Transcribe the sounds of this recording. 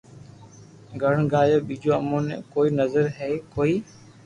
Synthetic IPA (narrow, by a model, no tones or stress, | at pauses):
ɡʱəɽ̤̃ɡaːjoːɓiːd͡ʑoːəmoːnḛkoːiːnəzəɾɦeːkoːiː